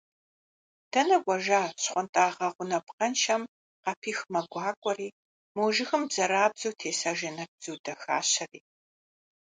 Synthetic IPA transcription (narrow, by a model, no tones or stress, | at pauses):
d̥ɐnɐɡʷʼɔʒaːɕχʷʊntʼaːʁɐʁʷʊnɐpqɐnʃɐm | qɐpʰiːxmɐɡʷɑːkʷʼɔriː | moːʒɪxɨmbzɐɾaːbzɐwtʰeːsaːʒɪnɐbz̥uwdɐxa̰ːɕɐriː